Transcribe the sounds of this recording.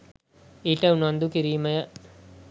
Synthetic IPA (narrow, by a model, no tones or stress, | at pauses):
iːʈəunand̪ukiɾiːməjə